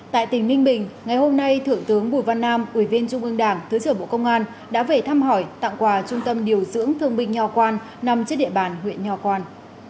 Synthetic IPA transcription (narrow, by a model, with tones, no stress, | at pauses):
t̪a̰ː˧˨jt̪ï˧˩ŋmï˧ŋ̟ɓï˨˩ŋ̟ŋa˨˩jho˧mna˧jt̪ʰɨ˧˩əŋt̪ɨ˨˦əŋɓu˧˩jva˧nːaː˧mʔu˧˩vi˧ənt͡ɕʊ˧ŋ͡mʔɨ˧ŋɗaː˧˩ŋt̪ʰɨː˨˦jsɨː˧˩ɓo̰˧˨kə˧wŋ͡mʔaː˧n | ɗa̰ː˧˥ve˨˩t̪ʰaː˧mɦɔ˧˩jt̪a̰ː˧˨ŋkwaː˨˩t͡ɕʊ˧ŋ͡mt̪ə˧mɗi˨˩əwzɨ̰˧˥əŋt̪ʰɨ˧əŋɓï˧ŋ̟ɲɔ˨˩kwaː˧n | na˨˩mt͡ɕtɗḭ˧˨əɓaː˨˩nhwḭ˧˨ənɲɔ˨˧˩kwaː˧n